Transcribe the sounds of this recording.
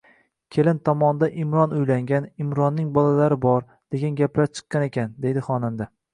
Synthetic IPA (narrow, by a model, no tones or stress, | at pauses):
kʲʰe̞lɪnt̪ʰɒmɒnd̪aʔɪmɾɒnʊjlaŋɡʲanɪmɾɒnːɪŋbɒlalaɾɪbɒɾ | d̪̥e̞ɡʲanɡʲaplaɾt͡ʃʰɨ̥qːɑne̞kʲand̪e̞jd̪ɪχɒnamd̪a